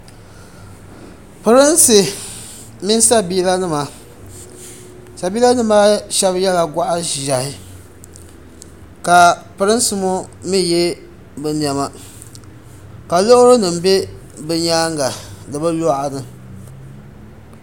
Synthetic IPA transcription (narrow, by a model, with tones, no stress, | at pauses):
pɨ˨ɾɨ˦nsɨ˨ | mɪ˦n˦sa˦biː˦la˦nɨ˦ma˨ | sa˨biː˦la˦nɨ˦maː˦ʃɛ˦βjɛ˦la˨ɡʷa˦ʔa˦˨a˨hɪ˦ | ka˨pɨ˨ɾɨ˦n˦sɨ˦mo˦mi˦je˦ | bɨ˨n˨ɛ˨ma˨ | ka˨lo˦ʔʊ˦ɾo˦nɨ˨m̩˦be˦ | bɨ˦ɲaː˦ŋɡa˨dɨ˨ba˦lo˦ʔa˨nɨ˨